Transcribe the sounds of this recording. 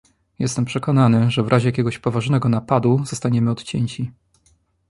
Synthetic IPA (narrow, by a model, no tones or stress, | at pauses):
jɛ̰st̪ɛmpʂɛkɔnanɘʐɛvɾʔaʑɛjakʲɛɡɔɕpɔvaʐnɛɡɔnapad̪uzɔst̪aɲɛmɘɔt̪t͡ɕɛɲt͡ɕi